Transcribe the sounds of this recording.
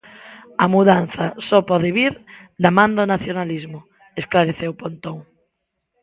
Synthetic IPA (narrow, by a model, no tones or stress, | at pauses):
amuðan̟θɐsɔpɔðeβiɾd̪amãnd̪ɔnaθjonalizmʊ | esklaɾeθewpont̪oŋ